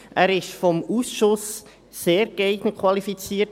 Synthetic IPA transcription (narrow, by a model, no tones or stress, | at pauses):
ʔæːɾɪʃfɔmusʃʊs | seːɾɡeɪɡnəkʰwɑlifit͡siːət